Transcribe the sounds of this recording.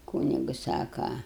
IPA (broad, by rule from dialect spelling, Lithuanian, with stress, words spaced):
ˈkuːnʲɪɡʊ ˈsɑːkɐ